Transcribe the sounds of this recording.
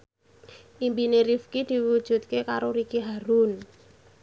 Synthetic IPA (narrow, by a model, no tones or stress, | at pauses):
ʔimpineɾifkid̪̥i̤ud̥ʒ̥ṳt̪̚kekaɾoɾikiɦaɾun